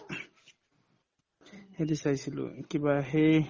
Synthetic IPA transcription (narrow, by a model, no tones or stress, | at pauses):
hedisajsilʊ̰kibaɦe